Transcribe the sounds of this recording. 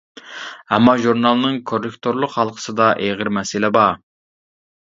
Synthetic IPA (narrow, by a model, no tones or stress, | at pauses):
ɛmːɑʒuɾnɑlˠnɨŋkʰorːɨkt̪ʰoɾlˠʊqhɑlˠqʰə̥sɨd̪ɑʔeʁəɾmɛsɪlɛbɑ